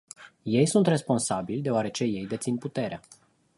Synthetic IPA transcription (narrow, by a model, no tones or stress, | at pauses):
je̞jsunt̪re̞spo̞nsabilʲd̪eoaɾe̞t͡ʃe̞je̞jd̪e̞t̪sinput̪e̞ɾea